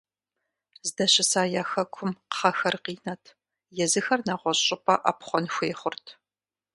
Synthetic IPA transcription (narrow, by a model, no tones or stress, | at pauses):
zɨdɐɕɪsaːjaːxɐkʷʰʊmqχɐxɐrqiːnɐtʰ | jɛzɨxɐrnaːʁʷɔɕʼɪpʼɐ̰ʔa̰pχʷɔnxʷeːχʷʊrtʰ